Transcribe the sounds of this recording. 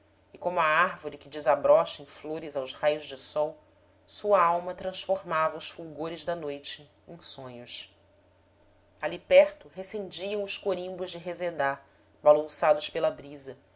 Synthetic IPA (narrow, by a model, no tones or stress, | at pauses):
ɪkõmʊɐaɾvoɾɪkɪd͡ʒɪzabɾɔʃɐẽj̃floɾɪzawzhajʊzd͡ʒɪsɔw | suɐawmɐt̪ɾɐ̃sfoɾmavɐʊsfuwɡoɾɪzd̪ɐnojt͡ʃɪ | ẽj̃sõɲʊs | alipɛɾt̪ʊɦesẽnd͡ʒiɐ̃w̃ʊʃkoɾĩmbʊʒd͡ʒɪɦezed̪a | balɐ̃wsad̪ʊspelɐbɾizɐ